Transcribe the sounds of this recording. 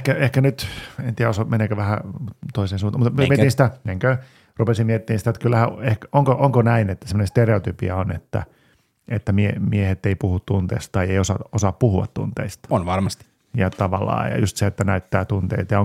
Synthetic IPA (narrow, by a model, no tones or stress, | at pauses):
kæehkænyt̪ent̪iːæosomeneːkøʋæhæt̪oiseːnsuːnt̪ɑmut̪miømmiet̪insit̪æneŋkø | rupesimmiet̪ːiːnsit̪æt̪kylːæhæehkoŋkoʔoŋkonæinet̪ːæsemːonẽst̪ereot̪ypḭɑonḛt̪ːæ̰ | et̪ːæmiḛmiehet̪ːeipuhut̪t̪unt̪ḛːst̪t̪ɑieiosɑ̰osɑppuhuɑ̰t̪t̪ṵnt̪ḛist̪ɑ̥onʋɑrmɑstt̪i̥ | jɑt̪ɑʋɑlːˑɑ̰ːjɑ̰just̪seet̪ːænæyt̪ːæːt̪unt̪ḛit̪jɑoŋ